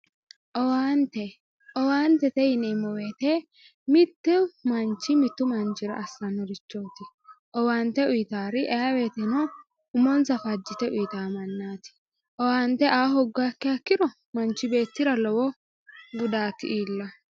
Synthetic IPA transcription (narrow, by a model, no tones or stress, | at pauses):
ʔɔwaːnt̪ɛ | ʔɔwaːnt̪ɛt̪ɛjɪnɛmɔwe̞ːt̪ɛ | mɪt̪ːʊmɐnt͡ʃːɪmɪt̪ːʊmɐnt͡ʃɪɾɐ̰ʔɐsːɐnɔɾɪt͡ʃːo̞ːt̪ɪ | ʔɔwaːnt̪ːɛʊjɪt̪aːɾɪʔɛjaweːt̪ɛnɔ | ʊmɔnt͡sɐfɐd͡ʒːɪt̪ɛʔʊjt̪aːmɐnːaːt̪ɪ̥ | ʔɔwaːnt̪ɛʔaːɦɔɡːaːkːɪɐkːɪɾɔ | mɐnt͡ʃːɪbe̞ːt̪ːɪɾɐlɔwɔ | ɡʊd̪aːt̪ːɪ̰ʔiːlːɐ